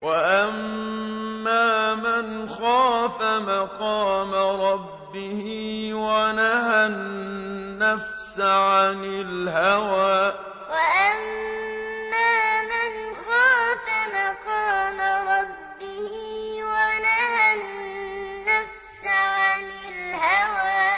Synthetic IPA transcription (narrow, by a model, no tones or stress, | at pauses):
waʔamː | aːmanxaːfamaqɑːmaɾˤɑbːɪhɪwanahanː | afsaʕanɪlɦawaː | waʔamː | aːmɪnxaːfamaqɑːmaɾˤɑbːɪhɪwanahanː | afsaʕanɪlhawaː